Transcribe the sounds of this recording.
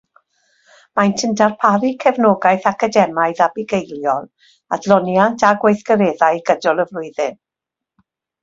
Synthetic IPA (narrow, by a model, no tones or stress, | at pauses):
majntʰɪndarpʰaɾikʰɛvnɔːɡajθakʰadɛmaɨðabɪɡejlˠjɔlˠ | adlˠɔnjantʰaɡwejθɡəɾɛːðajɡədɔlˠəvlʊɨðɪn